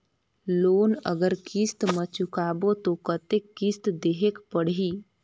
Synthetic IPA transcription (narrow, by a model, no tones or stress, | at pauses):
loːnə̰ɡəɾkist̪mə̃t͡ʃʊkaːbot̪okət̪ekːist̪d̪eːɦekpəɽ̤i